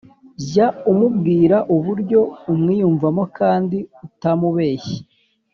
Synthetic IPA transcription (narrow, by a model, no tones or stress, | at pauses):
zaumub̚ɡiːɾaʔuβuɾɟo̞umŋiːjuːɱvamo̞kaːndiutamuβe̞ːçe̥